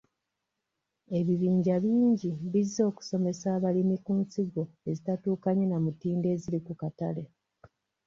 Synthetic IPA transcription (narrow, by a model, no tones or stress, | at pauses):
e̞βiβiːɲɟaβiːɲɟiβizːo̞ːku̥so̞me̞saːβalimikuːnsiɡo̞e̞zitatuːkaɲenamutiːnde̞ːziɾikukatale̞